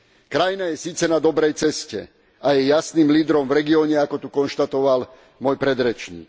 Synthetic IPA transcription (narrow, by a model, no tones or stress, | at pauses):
kɾajinajɛsiːt͡sɛnad̪ɔbɾɛjt͡sɛscɛ̰ | ajɛjasniːmliːd̪ɾɔmvɾɛɡiɔːɲɛakɔt̪ukɔnʃt̪at̪ɔʋal | mʊɔjpɾɛd̪ɾɛt͡ʃɲḭːk